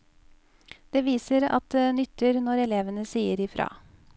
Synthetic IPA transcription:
d̪̥eːʋiːsəɾɑ̰t̪̚d̪eːnʏt̪ːəɾnɔɾɛleːʋənəsiːəɾɪfɾɑ̰ː

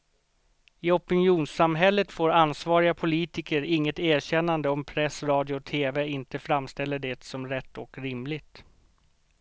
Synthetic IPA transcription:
ɪɔpənjuːnsamɦɛlːət̪foːɾansvɑːɾɪɡapʰʊliːt̪ɪkəɾɪŋːət̪æːɕɛnːand̪əɔmpʰɾɛsɾɑːd̪jʊt̪ʰeːvɛɪnt̪əfɾamːst̪ɛlːəɖɛt̪sɔmɾɛt̪ːɔkɾɪmlɪɡ̚t̪

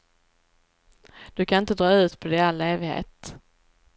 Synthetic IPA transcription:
d̪̥ɵkʰanɪnt̪əd̪ɾɑːʉ̟ːt̪pʰɔd̪ɛalːeːvɪɡhḛːt̪

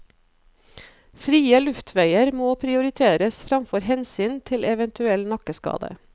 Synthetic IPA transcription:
fɾiːəlʉft̪ʰʋæɪəɾmoːpʰɾɪʊɾɪt̪ʰeːɾəsfɾɑmfɔɾhɛnsyːnt̪ʰɪlɛʋɛnt̪ʰʉɛlnɑkəskɑ̰ːd̪ə̰

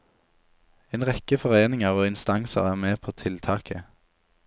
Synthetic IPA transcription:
eːnʁɛkəfɔʁeːnɪŋəʁoːɪnst̪ɑŋsə̰ʁæːʁmeːpʰoːt̪ʰɪlt̪ʰɑːkʰə

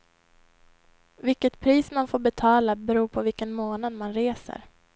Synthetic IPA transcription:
vɪkːət̪pʰɾiːsmanfoːbɛt̪ʰɑːlabɛɾuːɾpʰɔvɪlkənmoːnad̪manɾeːsə̰ɾ

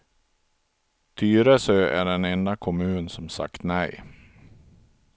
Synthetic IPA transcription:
t̪ʰyːɾəsøʔæ̰ɖɛnɛnd̪akʰʊmʉ̟ːnsɔmsa̰kt̪nɛj

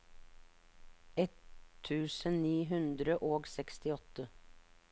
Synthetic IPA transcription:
ɛt̪ʰːʉːsənniːɦʉnd̪ɾəʔoːɡsɛkst̪ɪɔt̪ə

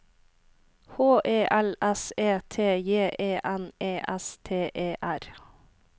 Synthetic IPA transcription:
hoːʔeːʔɛlɛseːt̪ʰeːjeːʔeːʔɛneːʔɛst̪ʰeːʔeːʔæɾ

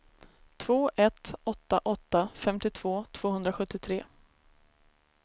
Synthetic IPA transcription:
t̪ʰv̥oːʔɛt̪ɔt̪ːaʔɔt̪ːafɛmt̪ɪt̪ʰv̥oːt̪ʰv̥oːhɦɵnd̪ɾaɧɵt̪ːɪt̪ʰɾeː

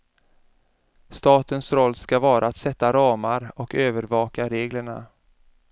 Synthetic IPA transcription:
st̪ɑːt̪ənsɾɔlːskavɑːɾʔaːt̪sɛt̪ːaɾɑːmaɾɔkøːvəɾvɑːkaɾeːɡləɳa̰

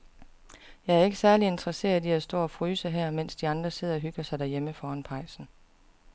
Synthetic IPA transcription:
jɑ̈ɪæɐe̝ɡ̥əsæɐlie̝nd̥ʁɐse̝̰ːɐðˠiæsd̥ɔ̰ːɒ̽fʁyːsəɦæɐ̰men̰sd̥iɑ̈nd̥ʁɐse̝ð̞̰ˠɒ̽ɦyɡ̥ɐsɑ̈ɪd̥æɐjeməfɒːænpʰɑ̈ɪ̰sn̩

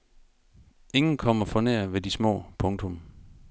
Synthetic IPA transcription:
e̝ŋn̩kʰɒ̽m̰ɐfɒ̽nḛɐ̰ʋe̝d̥ismɔ̰̽ːpʰɔ̽ŋt͡sʰɔ̽m

